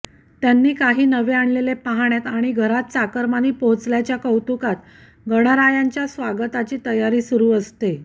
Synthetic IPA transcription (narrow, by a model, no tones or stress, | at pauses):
t̪janːiːkaɦiːnəʋeaɳlelepaɦaɳjat̪aɽ̃iɡʱəɾat̪̚t͡sakəɾmaniːpoɦt͡sljat͡ɕjakəwt̪ukat̪ | ɡəɽ̃aɾajaɲt͡ɕjasʋaɡət̪at͡ɕiːt̪əjaɾiːsuɾuːəst̪e